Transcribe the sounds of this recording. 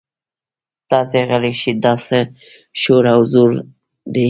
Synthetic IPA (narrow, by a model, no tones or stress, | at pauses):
t̪ɑseɣəliʃid̪ɑsə | ʃoɾawzuɾ | d̪e